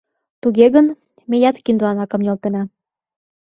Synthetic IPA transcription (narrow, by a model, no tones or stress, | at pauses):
t̪uɣeɣən | mejɑt̪kind̪lɑnɑkɤ̆mjolt̪enɑ